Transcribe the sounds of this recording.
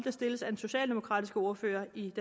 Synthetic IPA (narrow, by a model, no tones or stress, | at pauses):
d̥æsd̥e̝ləsæd̥en̩so̝ɕɛ̰ːld̥e̝mo̝kʰʁɑ̰̈ːd̥isɡ̥əo̝ɐfø̰ːɐid̥e